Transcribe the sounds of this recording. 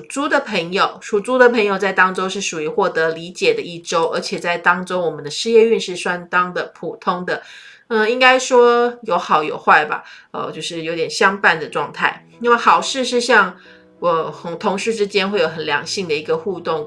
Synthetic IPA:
t͡su˥d̪ə˨pʰə˧˥ŋjo˨˩ʊʂu˨˩t͡su˥d̪ə˨pʰə˧˥ŋjo˨˩ʊt͡sa˥˩ɪt̪ɑ˥ŋʈ͡ʂo˥ʊʂɻ̩˥˩ʂu˨˩y˧˥xwɔ˥˩t̪ɤ˧˥li˧˥t͡ɕjɛ˨˩d̪ə˦i˥˩ʈ͡ʂo˥ʊʔə̰˞˧˥t͡ɕʰjɛ˨˩t͡sa˥˩ɪt̪ɑ˥ŋʈ͡ʂo˥ʊwɔ˨˩mə˦nd̪ə˧ʂɻ̩˥˧jɛ˥˧y˥˧nʂɻ̩˥˩ʂwa˥nt̪ɑ˥ŋd̪ə˨pʰu˨˩t̪ʰʊ˥ŋd̪ə˨ | ə˧i˥ŋka˥ɪʂwɔ˥jo˧˥ʊxɑ˨˩ʊjo̰˨˩ʊxwa˥˩ɪba̰˩ə̰˧t͡ɕjo˥˧ʊʂɻ̩˥˩jo˧˥ʊt̪jɛ˨˩nɕjɑ˥ŋpa˥˩nd̪ə˩ʈ͡ʂwɑ˥˧ŋt̪ʰa˥˩ɪni˥we˥˩ɪxɑ˨˩ʊʂɻ̩˥˧ʂ̬ɻ̩˥˧ɕjɑ˥˩ŋ | wɔ˨˩xʊ˧˥ŋt̪ʰʊ˧˥ŋʂɻ̩˥˧ʈ͡ʂɻ̩˥t͡ɕjɛ˥nxwe˥˩ɪjo˨˩ʊxə˨˩nljɑ̰˨˩˥ŋɕi˥˩ŋd̪ə˩i˧˥ɡə˧xu˥˧t̪ʊ˥˩ŋ

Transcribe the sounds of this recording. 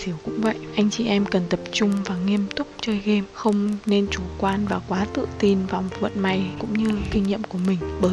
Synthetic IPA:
si˨˦əwkʊ̰˧˥ŋ͡mvə̰˧˨jʔʔa˧jŋ̟t͡ɕḭ˧˨ʔɛ˧mkə˨˩nt̪ə˨˩p̚t͡ɕʊ˧ŋ͡mvaː˨˩ŋi˧əmt̪ʊ˦˥k͡p̚t͡ɕəː˧jɣi˧mxə˧wŋ͡mne˧nt͡ɕu˧˩kwaː˧nvaː˨˩kwaː˨˦t̪ɨ̰˧˨t̪i˧nvaː˨˩mo˨˩t̚və̰˧˨nma˧˩jkʊ̰˧˥ŋ͡mɲɨ˧kï˧ŋɲḭ˧˨əmku˧˩əmï˨˩ŋ̟ɓəː˨˦

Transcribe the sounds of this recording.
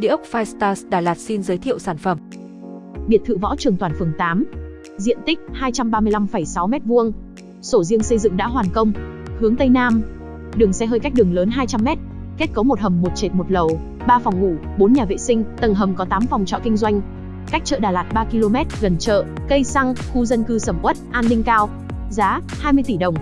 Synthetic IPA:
ɗḭ˧˥ʔə˦˥k͡pk̚faː˧jst̪aː˧sɗaː˨˩laː˨˩t̚si˧nzəː˨˦jt̪ʰḭ˧˨əwsaː˧˩nfə˧˩m | ɓi˨˩ət̚t̪ʰɨ̰˧˨vɔ̰˧˥t͡ɕɨ˨˩əŋt̪waː˧˩nfɨ˨˩əŋt̪aː˨˦m | zḭ˧˨ənt̪ï˦˥k̟̚haː˧jt͡ɕa˧mɓaː˧mɨ˧əjla˧mfə˧˩jsa˨˦wmɛ˦˥t̚vu˧əŋ | so˧˩zi˧əŋsə˧jzɨ̰˧˨ŋɗa̰ː˧˥ɦwaː˨˩nkə˧wŋ͡mhɨ˨˦əŋt̪ə˧jnaː˧m | ɗɨ˨˩əŋsɛ˧ɦəː˧jka˦˥k̚ɗɨ˨˩əŋləː˨˦nɦaː˧jt͡ɕa˧mːɛ˦˥t̚ | ke˦˥t̚kə˨˦wmo˨˩t̚hə˨˩mːo˨˩t̚t͡ɕe˨˩t̚mo˨˩t̚lə˨˩w | ɓaː˧fɔ˨˩wŋ͡mŋu˧˩ɓo˨˦nɲaː˨˩vḛ˧˨sï˧ŋ̟t̪ə˨˩nɦə˨˩mkɔ˨˦t̪aː˨˦mfa˨˩wŋ͡mt͡ɕɔ̰˧˨kï˧ŋ̟zwa˧jŋ̟ | ka˦˥k̚t͡ɕə̰ː˧˨ɗaː˨˩laː˨˩t̚ɓaː˧ki˧lo˧mɛ˦˥t̚ɣə˨˩nt͡ɕə̰ː˧˨kə˧jsa˧ŋxu˧zə˧nkɨ˧sə˧˩mʔwə˦˥t̚ʔaː˧nɗï˧ŋ̟kaː˧w | zaː˨˦ | haː˧jmɨ˧əjt̪i˧˩ɗə˨˩wŋ͡m

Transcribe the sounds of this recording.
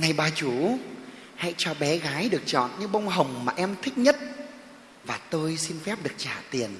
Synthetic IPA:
na˧jɓaː˧t͡ɕu˧˩˦ | ha̰˧˨jt͡ɕɔ˧ɓɛ˨˦ɣaː˨˦jɗɨ˨˩ək̚t͡ɕɔ̰˧˨nɲɨ̰˧˥ŋɓə˧wŋ͡mɦə˨˩wŋ͡mmaː˨˩ʔɛ˧mt̪ʰï˥k̚ɲə˦˥t̚ | vaː˨˩t̪o˧jsi˧nfɛ˦˥p̚ɗɨ˨˩ək̚t͡ɕa̰ː˧˩t̪i˨˩ən

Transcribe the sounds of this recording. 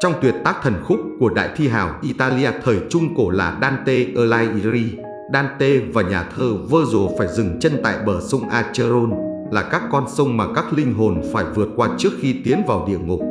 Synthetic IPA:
t͡ɕɔ˧wŋ͡mt̪wi˨˩ət̚t̪aː˦˥k̚t̪ʰə˨˩nxʊ˦˥k͡p̚ku˧˩əɗa̰ː˧˨jt̪ʰi˧ɦa̰ː˧˩wʔi˧t̪aː˧li˧aː˧t̪ʰəː˨˩jt͡ɕʊ˧ŋ͡mko˧˩laː˨˩ɗaː˧nt̪e˧ʔəː˧laː˧jʔi˧ɾi˧ | ɗaː˧nt̪e˧vaː˨˩ɲaː˨˩t̪ʰəː˧və˧zo˨˩faː˧˩jzɨ˨˩ŋt͡ɕe˧nt̪a̰ː˧˨jɓəː˧˩sə˧wŋ͡mʔaː˧t͡ɕə˧zo˧nlaː˨˩kaː˦˥kːɔ˧nsə˧wŋ͡mmaː˨˩kaː˦˥k̚lï˧ŋ̟ɦo˨˩nfaː˧˩jvɨ˨˩ət̚kwaː˧t͡ɕɨ˦˥ək̚xi˧t̪i˨˦ənvaː˨˩wɗḭ˧˨əŋʊ˨˩k͡p̚

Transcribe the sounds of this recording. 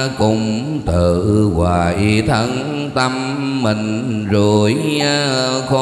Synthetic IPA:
kʊ˧˩ŋ͡m | t̪ɨː˨˩ʔkwaː˨˩ʔi˧t̪ʰə˧n | t̪ə˧mː | ï˨˩ŋ̟ | zo˨˩jɲaː˧ | xɔ˧

